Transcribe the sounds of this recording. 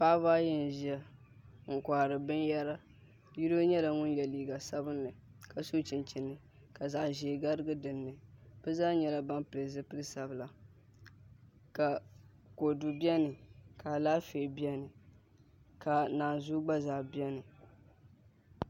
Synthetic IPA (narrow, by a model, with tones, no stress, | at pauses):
paː˦baː˦jɛ˦n˨ʒi˦a˦ | ŋ̩˨ka˨ɾɨ˨bɨ˦njɛ˦ɾa˦ | ji˦ɾo˦ɲɛ˦la˨ŋʊ˦njɛ˨liː˨ɡa˨sa˦bɨ˦nːɨ˨ | ka˨so˦t͡ʃɪ˨nt͡ʃɪ˨nːɨ˨ | ka˨za˨ʔʒe˨ɡa˦ɾɨ˦ɡɨ˦dɨ˨nːɨ˨b̥ɨ˦zaː˦ɲɛ˦la˦ba˦mplɨ˨zɨ˦pɨ˦lɨ˦sa˨bɨ˨la˨ | ka˨ | ko˨du˨bi˦ɛ˦nɨ˨ka˨laː˦fe˨bi˦ɛ˦nɨ˨ | ka˨naː˨zu˦ɡ͡ba˦za˨bi˦ɛ˦nɨ˨